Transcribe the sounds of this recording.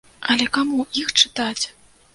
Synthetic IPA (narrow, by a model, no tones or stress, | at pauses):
ɐlʲɛkamuixt͡ʂɨ̥t̪at͡sʲ